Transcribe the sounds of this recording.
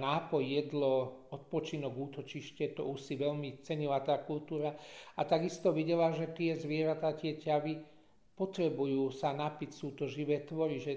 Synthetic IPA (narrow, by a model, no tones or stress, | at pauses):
naːpɔjːɛd̪lɔɔt̪pɔt͡ʃinɔɡuːt̪ɔt͡ʃiʃcɛt̪ɔ̰usiʋɛʎmit͡sɛɲilat̪aːkult̪uːɾaat̪aɡist̪ɔʋiɟɛlaʒɛt̪ɪɛzʋɪɛɾat̪aːc̪ɪɛcaʋi | pɔt̪ɾɛbujuːsanapicsuːt̪ɔʒiʋɛːt̪ʋɔɾiʒɛ